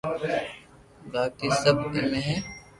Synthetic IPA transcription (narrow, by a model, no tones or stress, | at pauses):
baːkisɐbmẽɦɛ̃